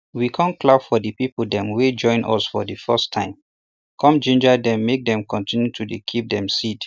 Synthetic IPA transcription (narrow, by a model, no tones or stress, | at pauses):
wikʰãnklavfɔdəpip̩dɛ̃mwed͡ʒɔ̃ɪ̃nɔ̰sfɔdəfɛstʰãɪ̃m | kʰɔ̃md͡ʒẽnd͡ʒədɛ̃mːek̚dɛ̃mkɔ̃ntĩnjutʰudekʰip̚dɛ̃msit